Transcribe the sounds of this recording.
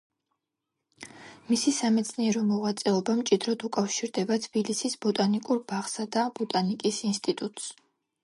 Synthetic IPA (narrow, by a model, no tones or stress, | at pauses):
misisamɛt̪sʰniɛɾɔmɔʁat̪sʼɛɔbamt͡ʃʼid̪ɾɔd̪ukʼafʃiɾd̪ɛbat̪ʰb̥ilisisbɔt̪ʼanikʼuɾb̥aʁsad̪abɔt̪ʼanikʼisinst̪ʼit̪ʼut̪ʼs